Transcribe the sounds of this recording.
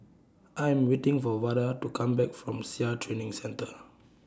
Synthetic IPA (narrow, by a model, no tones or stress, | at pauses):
ʔajɛ̃mwetɪ̃ŋfɔwadətukʰãmbɛkfɹɔ̃msiatʰɹenɪ̃ŋsɛ̃ntə